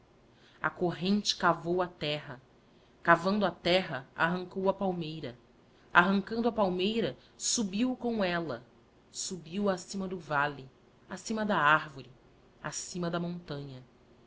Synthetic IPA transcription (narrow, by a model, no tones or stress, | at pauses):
ɐ̰koɦẽnt͡ʃɪ̥kavowat̪ɛɦɐ | kavɐ̃nd̪at̪ɛɦɐa̰ɦɐ̃ŋkowɐpawmejɾɐ | aɦɐ̃ŋkɐ̃d̪ʊɐpawmejɾɐ | subiwkõw̃ɛlɐ | subiwasĩmɐd̪ʊvali | asĩmɐd̪ɐaɾvoɾɪ | asĩmɐd̪ɐmõnt̪ɐ̃ɲɐ